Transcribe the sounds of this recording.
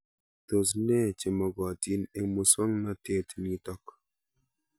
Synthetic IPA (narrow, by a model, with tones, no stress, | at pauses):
to˨s̬nɛ˦˨t͡ʃe˨mɔ˨ɡɔ˨ti˦ne˦mu˧swa˦ŋna˦te˦tni˧tɔ˦k